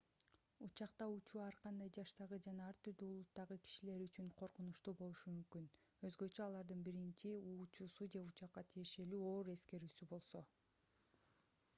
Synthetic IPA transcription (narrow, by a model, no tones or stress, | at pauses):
ut͡ʃɑqt̪ɑut͡ʃuːɑɾqɑnd̪ɑjd͡ʒɑʃt̪ɑʁɯd͡ʒɑnɑɑɾt̪ʰyɾd̪yːlˠut̪ːɑʁɯki̥ʃile̞ɾyt͡ʃyɴqʰo̞ɾqunuʃt̪uːbo̞lˠuʃumymkynø̞zɡø̞t͡ʃø̞ɑlˠɑɾd̪ɯnbiɾint͡ʃiuːt͡ʃuːsud͡ʒe̞ut͡ʃɑqːɑt̪ʰije̞ʃe̞lyːo̞ːɾe̞ske̞ɾyːsybo̞lˠso̞